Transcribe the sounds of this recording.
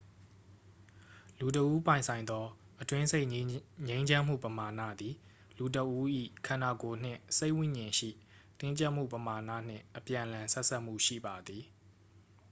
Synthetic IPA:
lu˨t̬əʔu˦pã˨ɪ̃nsʰã˨ɪ̃nd̪ɔ˦ | ʔətwɪ̃˦se˦ɪʔɲẽ˦ɪ̃ɲd͡ʑã˦m̥ṵ˦˨pəma˨nä̰˦˨d̪i˨ | lu˨t̬ə˨ʔu˦ʔḭ˦˨kʰã˨na˨ko˨n̥ɪ̰̃˦˨se˦ɪʔwɪ̃˦˨ɲɪ̃˨ʃḭ˦˨ | t̪ɪ̃˦ɲt͡ɕa˦ʔm̥ṵ˦˨pəma˨na̰˦˨n̥ɪ̰̃˦˨ʔəpjã˨ʔə̃lã˨sɛ˦ʔsʰa˦ʔm̥ṵ˦˨ʃḭ˦˨ba˨d̪ði˨

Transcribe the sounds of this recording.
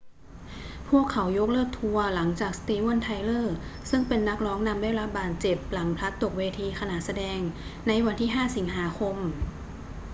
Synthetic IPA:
pʰu˥˩əkʰːa˩˦wjo˦˥k̚lɤː˥˩k̚t̪ʰu˧ɐla˩˦ŋt͡ɕaː˨˩k̚st̪iː˧wo˥˩nt̪ʰa˧˥jlɤː˥˩sɯ˥˩ŋpe˧nːa˦˥k̚ɾɔː˦˥ŋna˧mdaː˥˩jɾa˦˥p̚baː˨˩t̪̚t͡ɕe˨˩p̚la˩˦ŋpʰɾa˦˥t̪ːo˨˩k̚weː˧t̪ʰiː˧kʰa˧na˨˩t̪̚sa˧dɛː˧ŋ | na˧jwa˧nt̪ʰiː˥˩ɦaː˥˩si˩˦ŋɦaː˩˦kʰo˧m

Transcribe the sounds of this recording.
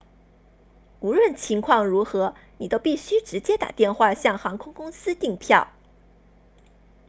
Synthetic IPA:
u˧˥ɻwə˥˩nt͡ɕʰi˧˥ŋkʰwɑ˥˩ŋɻu˧˥xɤ˧˥ni˨˩t̪o˥ʊpi˥˩ɕy˥ʈ͡ʂɻ̩˧˥t͡ɕjɛ˥t̪a̰˨˩t̪jɛ˥˧nxwa˥˧ɕjɑ˥˩ŋxɑ˧˥ŋkʰʊ˥ŋkʊ˥ŋsɹ̩˥t̪i˥˧ŋpʰjɑ˥˩ʊ

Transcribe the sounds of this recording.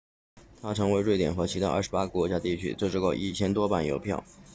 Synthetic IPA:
t̪ʰa˥ʈ͡ʂʰɤ˧˥ŋwe˧˥ɪɻwe˥˩ɪt̪jɛ˨˩nxɤ˧˥t͡ɕʰi˧˥a˥ʔɐ̰˥˩ʂɻ̩˧˥pa˥kə˥˩kwɔ˧˥t͡ɕja˥t̪i˥˩t͡ɕʰy̰˥ʈ͡ʂɤ˥˧ʈ͡ʂɻ̩˥˧˥ko˥˩ʊʔi˥˩t͡ɕʰjɛ˥nt̪wɔ˥pa˥˩njo̰˧˥ʊpʰjɑ̰˥˩ʊ

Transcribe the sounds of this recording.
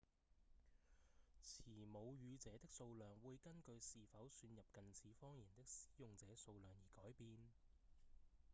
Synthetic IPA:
t͡sʰiː˨˩mo˨˧wjyː˨˧t͡sɛː˨˥t̪ɪ˥k̚so˧wlœː˨ŋwuː˨˧jkɐ˥nkɵ˧ɥsiː˨fɐ˨˥wsyː˧njɐ˨p̚kɐ˨nt͡sʰiː˨˥fɔː˥ŋjiː˨˩nt̪ɪ˥k̚si̥ː˨˥jʊ˨ŋt͡sɛː˨˥so˧wlœː˨˩ŋjiː˨˩kɔː˨˥jpiː˧n

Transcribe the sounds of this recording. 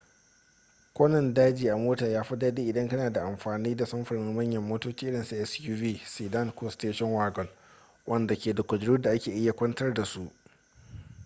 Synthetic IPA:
kʷoː˦nɐ˨ndaː˦d͡ʒiː˨ʔa˨moː˦taː˨jaː˦ɸɐ˦daː˦diː˦ʔɪ˨dɐ˦ŋkɐ˦naː˨da˨ʔa˨mɸaː˨niː˦da˨sɐ˦mɸɐ˨ɾnɪ˦ŋmɐ˦ɲjɐ˨mːoː˦toː˦t͡ʃiː˦ʔɪ˦ɽɪ˨nsi˦˨ʔɛ˦sjuː˦viː˦siː˨dɐ˦nkoː˦steː˦ʃɔ˦nwaː˦ɡɔ˨l | wʔɐ˦nda˨kʲeː˨da˨kʷɐ˨d͡ʒɽuː˦da˨ʔa˦kʲeː˨ʔɪ˦jːa˨kʷɐ˦ntɐ˦rda˨su˦ʔ

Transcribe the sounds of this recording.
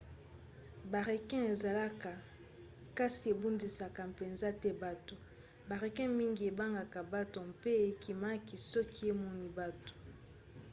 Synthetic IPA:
ba˨ʁe˨kɛ̃˦e˨za˨la˦ka˨ | ka˦si˨e˨bu˦ndi˨sa˨ka˨pe˨nza˦tɛ˦ba˨to˨ | ba˨ʁe˨kɛ̃˦mi˦ŋɡi˨e˨ba˦ŋɡa˨ka˨ba˦to˨mpe˦˨e˨ki˨ma˦ki˨sɔ˦kʰi˦e˦mɔ˦ni˨ba˦to̥˨

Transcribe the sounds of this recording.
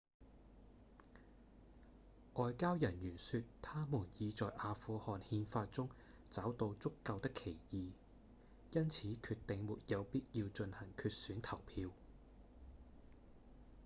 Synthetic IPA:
ʔɔː˧jkaː˥wjɐ˨˩njyː˨˩nsyː˧tt̪ʰaː˥muː˨˩njiː˨˧t͡sɔː˨jʔaː˧fuː˨˧hɔː˨nhiː˧nfaː˧t̚t͡sʊ˥ŋ | t͡saː˨˥wt̪o˧wt͡sʊ˥kːɐ˧wt̪ɪ˥kʰe˨˩jjiː˨˧ | jɐ˥nt͡sʰiː˨˥kʰyː˧t̪ːɪ˨ŋmuː˨t̚jɐ˨˧wpiː˥t̚jiː˧wt͡ʃɵ˧nhɐ˨˩ŋkʰyː˧t̚syː˨˥nt̪ʰɐ˨˩wpʰiː˧w

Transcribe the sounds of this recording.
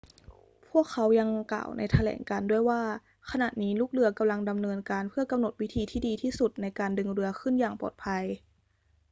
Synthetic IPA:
pʰu˥˩əkʰːa˦˥wja˧ŋkla̰ː˨˩wnʔa˧jt̪ʰa˧lɛ̰ː˩˦ŋkaː˧ndu˥˩əjwaː˥˩ | kʰa˧na̰˨˩t̪̚niː˦˥luː˥˩k̚lɯ˧ɐka˧mla˧ŋda˧mnɤː˧nkaː˧npʰɯ˥˩ɐka˧mno˨˩t̪̚wi˦˥t̪ʰiː˧t̪ʰiː˥˩diː˧t̪ʰiː˥˩su˨˩t̪̚na˧jkaː˧ndɯ˧ŋɾɯ˧˥ɐkʰɯ˥˩njaː˨˩ŋpɔ̰ː˨˩t̪̚pʰa˧j

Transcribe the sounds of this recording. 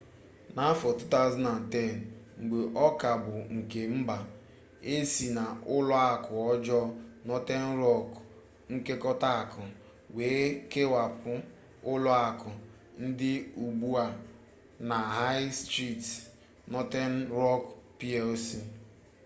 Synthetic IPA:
na˦fɔ˨tu˦ta˦˨zu˦na˨n̩˨tɛ˦˨n̩˨ŋ͡m̩˨ɡ͡be˨ʔɔ˦ka˨bʊ˨ŋ̩˨ke˨m̩˦ba˨ | e˦si˨na˨ʊ˦lʊ˦a˦˨kʊ˨ɔ˦d͡ʒɔ˦nɔ˦te˦n̩˦ɾɔ˦k | ŋ̩˦ke˦kɔ˦ta˦a˨kʊ˨ | weː˨˦ke˦wa˨pʊ˦ | ʊ˦lʊ˦a˨kʊ˨ | n̩˦dɪ˦u˨ɡ͡bu˦a˨ | na˨ɦa˦ɪ˦stɾi˦˨t | nɔ˦te˦n̩˦ɾɔ˦kpi˦ɛ˦lsi˦

